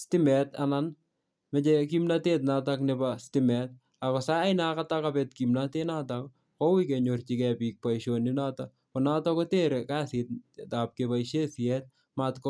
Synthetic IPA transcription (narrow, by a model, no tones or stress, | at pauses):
stɪmɛtanan | mɛt͡ʃekimnatet̬̚nataknɛbastɪmɛt̚ | akɔsaːɪnakatakabɛtkimnatenatak | kowikeɲort͡ʃikɛpik̚paiʃoninata | pɔnatɔkoteɾekasit̚tap̚kepaiʃesjɛt̚ | matk